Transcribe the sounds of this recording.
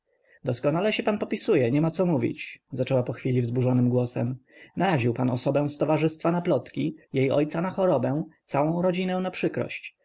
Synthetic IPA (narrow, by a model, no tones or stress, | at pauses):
d̪ɔskɔnalɛɕɛpanpɔpʲisujɛɲɛmat̪sɔmuvʲḭt͡ɕzat͡ʂɛwapɔxfʲilʲivzbuʐɔnɘmɡwɔsɛmnaɾaʑiwpanɔsɔbɛ̃w̃st̪ɔvaʐɘst̪fanaplɔt̪kʲijejɔ̰jt̪sanaxɔɾɔbɛ̃t̪sawɔ̃w̃ɾɔd͡ʑinɛ̃w̃napʂɘkɾɔ̰ɕt͡ɕ